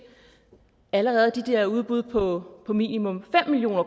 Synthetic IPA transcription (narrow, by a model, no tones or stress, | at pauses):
æləʁɛːð̞̩ˠd̥id̥eɐuð̞ˠb̥uð̞ˠpʰɒ̽pʰɒ̽mḭːnimɔ̽mfem̰milijo̝̰ːnɐk